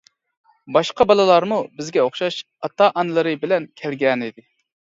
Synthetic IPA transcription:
bɑʃqɑbɑlˠɨlˠɑɾmubɪzɡʲɛoχʃɑʃ | ɑt̪ɑʔɑnɨlˠɨɾɨbɪlɛnkʲʰælɡʲɛnɪd̪ɪ

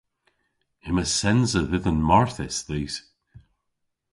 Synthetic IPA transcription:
ɪməsɛnzəðɪðənmɔɹθɪsðiːz̥

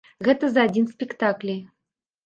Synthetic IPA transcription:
ɣɛt̪ə̆zadʲinspʲikt̪aklʲij

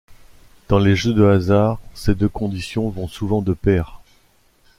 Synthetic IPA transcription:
d̪̥ɑ̃leʒød̪əazaːʁsed̪økɔ̃d̪isjɔ̃vɔ̃suvɑ̃d̪əpɛːʁ

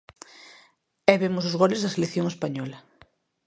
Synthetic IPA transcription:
ɛβemʊsʊzɣɔlezðɐselekθjoŋespaɲɔlɐ

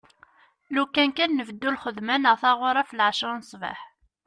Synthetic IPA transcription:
lukːænkænːəvəd̪ːulχəðmænəʁθɑʁʊɾˤæflʕʃɾˤnsˤva̰ħ

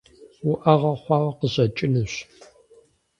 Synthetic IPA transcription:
wʊʔɐʁɐχʷɑːwɐqəʑɐt͡ʃʼɪnɨɕ

